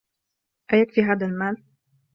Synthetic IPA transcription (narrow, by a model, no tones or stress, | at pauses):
ʔajakfiːɦaːðalmaːl